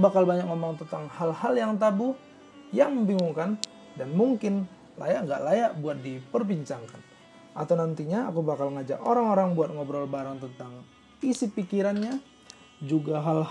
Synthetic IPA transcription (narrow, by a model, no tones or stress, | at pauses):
bakalbaɲak̚ŋomɔŋt̪ənt̪aŋhalhaljaŋt̪abuh | jaŋməmbiŋɡuŋkan | danmuŋkɪn | la̰jaʔŋɡa̰ʔlajaʔbuat̪̚dipərbiɲt͡ʃaŋkan | ʔa̰t̪awnant̪iɲa̰ːkubakalŋad͡ʒa̰ʔoɾaŋoɾaŋbuat̪̚ŋɔbɾɔlbaɾaŋt̪ənt̪aŋ | isipikiɾanɲa | d͡ʒuɡaɦal